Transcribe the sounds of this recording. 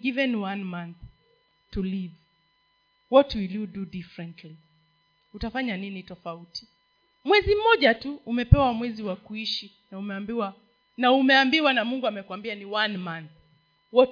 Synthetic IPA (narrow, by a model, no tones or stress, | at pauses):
ɡivɛnwanmãnθ | tuliv | wɔtuilidudifɾɛ̃ntʰli | hutafaɲaninitɔfauti̥ | mwɛzim̩mɔʄatuːmɛpɛwamwɛziwakuiʃi | naumɛambiwa | naumɛambiwanamuŋɡuamɛkwambianiwanmãnθ | wɔ